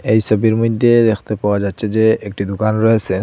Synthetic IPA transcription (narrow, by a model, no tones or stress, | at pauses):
eɦisɔbiɹmɔd̪ːedɛxʰt̪ɛpawazatːsʰɛzɛek̚ʈid̪ʊkanɹɔɦɛsɛ